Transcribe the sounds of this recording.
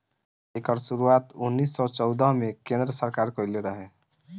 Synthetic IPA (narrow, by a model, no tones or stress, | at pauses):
ekəɾsuɾuat̪unːisːɔt͡ʃɔʊd̪əɦmekẽnd̪ɾəsəɾkaɾkəjleɾəɦẽ